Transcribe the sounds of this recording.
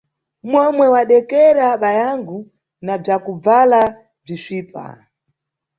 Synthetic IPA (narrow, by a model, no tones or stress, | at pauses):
mwɔmwɛwaɗɛkɛɾaɓajaŋɡu | nab͡ʐakub͡vala | b͡ʐiʂiːpa̰